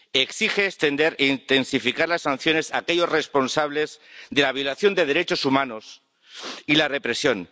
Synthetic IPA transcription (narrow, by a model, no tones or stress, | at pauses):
e̞ksixe̞ːst̪e̞nd̪e̞ɾeint̪e̞nsifikaɾlasːan̟θjone̞sake̞ʎo̞zre̞spo̞nsaβle̞zðe̞laβ̞jo̞laθjo̞nd̪e̞ðe̞ɾe̞t͡ʃo̞sumãno̞s | ilare̞pɾe̞sjo̞n